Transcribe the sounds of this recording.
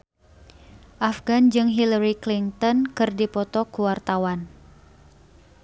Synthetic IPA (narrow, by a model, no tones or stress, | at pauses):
ʔafɡand͡ʒɨŋɦilaɾiklint̪ɔnkɨrdipɔt̪ɔkuwart̪awan